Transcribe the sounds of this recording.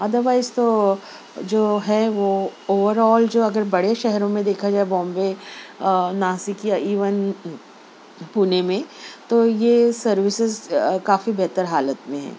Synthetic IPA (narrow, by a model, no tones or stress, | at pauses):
ɐd̪əɾʋaːɪzt̪o | d͡ʒoːɦɛʋooːʋəɾɔːld͡ʒoːɐɡəɾbɐɽeʃɛɦɾõmẽd̪eːkʰad͡ʒaːebɔ̃ːmbe | naːsikjaʔiːʋən | puːnemẽt̪ojesɐɾʋɪsɪzkaːfibɛɦt̪əɾɦaːlət̪mẽɦɛ̰̃ː